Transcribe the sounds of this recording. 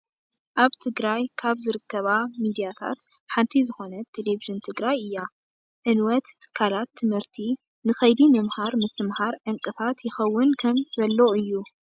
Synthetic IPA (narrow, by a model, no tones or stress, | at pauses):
ʔaβt̪ʰɨɡɾajkʰaβzɨɾɨkʰːɐβamid̪ijat̪ʰa̰t̪ | ħant̪ʰizɨxo̞nɐt̪ʰeleviʒɨnt̪ʰɨɡɾajɨjːa | ʕɨnwɐt̪kʰːalat̪ʰːɨmhɨɾt̪ʰi | nɨxɐjd̪imɐmhaɾmɨst̪ʰɨmhaɾʕɨŋkʼɨfat̪jɪxɐwːʊnkʰɐmzɐlːoɨjːu